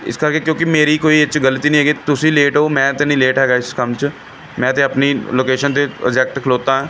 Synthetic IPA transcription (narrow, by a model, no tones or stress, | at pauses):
ɪ̰skəɾkeːkjõːkɪmeːɾiːkoːiːɪt͡ʃɡəlt̪iːnĩɦɛːɡeːt̪ʊsĩːleːʈoːmɛ̃ːt̪eːnĩːleːʈɦɛːɡaːɪskəmt͡ʃə | mɛ̃ːt̪eːəpniːloːkeːʃənt̪̬eːə̰d͡ʒɛːk̚ʈkʰəloːt̪ãːɦɛ̃ː